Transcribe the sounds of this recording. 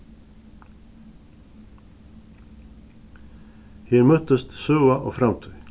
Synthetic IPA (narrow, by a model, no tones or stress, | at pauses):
heːɾmœt̪əst̪sœːaʔo̰ːfɾɑmt̪ʰœʏ